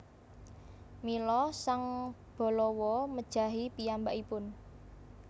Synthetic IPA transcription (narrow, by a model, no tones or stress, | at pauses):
milɔsaŋ | b̥ɔ̤lɔwɔməd̥ʒ̥a̤ɦipiambaʔipʊn